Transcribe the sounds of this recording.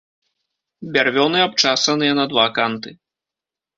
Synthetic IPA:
bʲarvʲɔnɨap̚t͡ʂasɐnɨjɐnɐd̪vakant̪ɨ

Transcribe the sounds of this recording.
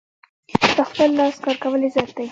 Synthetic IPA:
p̪əxpəlːɑskɑɾkawəlezɑjt̪ai

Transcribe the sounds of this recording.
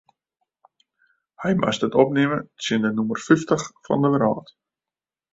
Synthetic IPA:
hɛjmʔa̰sdətɔp̚nɪməsɪndənumərfyftəχfɑ̰ndəʋəɾa̰ːt

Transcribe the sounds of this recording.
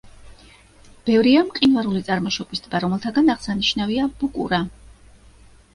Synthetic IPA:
b̥ɛvɾiamqʼinvaɾulit̪sʼaɾmɔʃɔbisd̪baɾɔmɛlˠt̪ʰaɡanaʁsaniʃnaviab̥ukʼṵɾa

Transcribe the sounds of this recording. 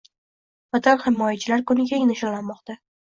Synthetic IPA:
fat̪ʰalˠhɪmɒjat͡ʃʰɪlaɾkʊnɪɡʲaɪnɪʃɒlanmɒqt̪a

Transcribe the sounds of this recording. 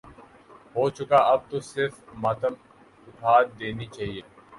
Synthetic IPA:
ɦoːt͡ʃʊkaːɐb̚t̪osɪɾfmɐt̪əm | ʊʈ̪ʰaːd̪d̪eːniːt͡ʃaːɦieː

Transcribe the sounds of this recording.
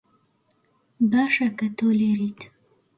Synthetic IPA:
bɑʂakat̪oleɾit̪

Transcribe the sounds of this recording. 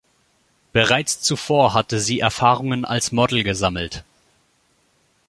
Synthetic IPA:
b̥əʁaɪt͡st͡sufoːɐɦatəziːʔɛɐfaːʁʊŋəna̰lsmɔdl̩ɡəzaml̩t

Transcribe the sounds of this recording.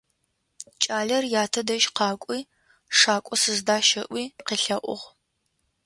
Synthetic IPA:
t͡ʃʼaːɮɐrjaːtʰɐdɐʒqɑːkʷʼiː | ʂaːkʷʼɔsɨzdaːʃɐʔʷiːqiːɬɐʔʷʊ̰ʁ

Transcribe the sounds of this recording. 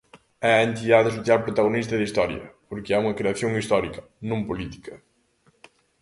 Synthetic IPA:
ɛɐent̪iðaðɪsoθjalpɾot̪aɣonist̪ɐðist̪ɔɾjɐ̰poɾkɪɛuŋɐkɾeɐθjoŋist̪ɔɾikɐ̥ | nõmpolit̪i̥kɐ

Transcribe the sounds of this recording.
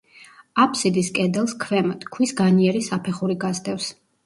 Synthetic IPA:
apʰsid̪iskʼɛd̪ɛlˠskʰvɛmɔt̪kʰwisɡaniɛɾisapʰɛχuɾiɡazd̪ɛfs

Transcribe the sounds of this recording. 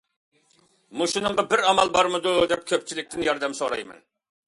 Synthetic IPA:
muʃunɨŋʁɑbɪɾɑmɑlˠbɑɾmɨd̪ʊd̪ɛp̚kʲʰøp̚t͡ʃʰilɪk̚ʲt̪ɪnjɑɾd̪ɛmsoɾɑ̰jmɛ̰n

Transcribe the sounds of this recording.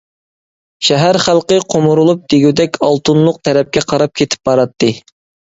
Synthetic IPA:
ʃæɦæɾχælˠqəqʰomuɾulˠup̚d̪̥eɡʲyd̪ɛkʲɑlˠt̪ʰunlˠʊq̚t̪ʰɛɾɛp̚kʲɛqʰɑɾɑp̚kʲʰet̪ʰɪ̥p̚bɑɾɑt̪ʰːɨ

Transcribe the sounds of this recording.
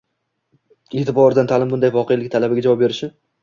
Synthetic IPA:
et̪ɪpɒɾɪd̪ant̪ʰalɪmbʊnd̪ajvɒqʰejalɪk̚ʲt̪ʰalabɪɡʲad͡ʒavɒp̚be̞ɾɪʃɪ

